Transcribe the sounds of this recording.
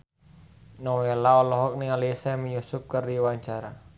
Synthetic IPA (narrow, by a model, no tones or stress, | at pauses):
nɔwɛlaɔlɔɦɔk̚nialisaməjusup̚kərdiwaɲt͡ʃaɾa